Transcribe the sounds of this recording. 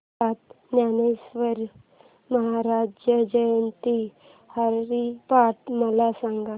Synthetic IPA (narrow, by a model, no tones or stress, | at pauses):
at̪ | njanesʋəɾ | məɦaɾad͡ʑjəd͡ʑəjənt̪i | haɾɾipaʈməlasaŋɡa